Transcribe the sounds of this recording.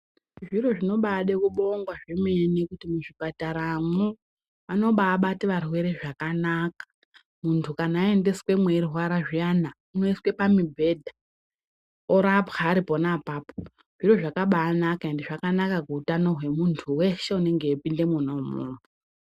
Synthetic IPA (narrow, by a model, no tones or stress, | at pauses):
ʐiro̞ʐino̞ɓaɗekuɓoŋɡwaʐemenikutimuʐipataɾamu | ano̞ɓaːɓatiʋarwe̞ɾe̞ʐakanakḁ | muntʰukanaːe̞nde̞swe̞mweirwaɾaʐiana | uno̞iswe̞pamibʱe̞ːdʱa | oɾapaːɾipo̞napaːpo | ʐ̥iɾo̞ʐakaɓaːnakae̞ndeʐakanakakuːtano̞ɦwe̞muntʰuwe̞ʃe̞une̞ŋɡe̞ːpinde̞munomṵːmu